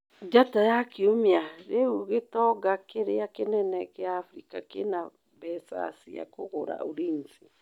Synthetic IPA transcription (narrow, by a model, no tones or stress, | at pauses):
d͡ʒatajakeomeaɾeuɣetɔɡakeɾeakenɛnɛkeaːfɾikakena | βɛsa̰sia̰koɣoɾa̰oɾinsi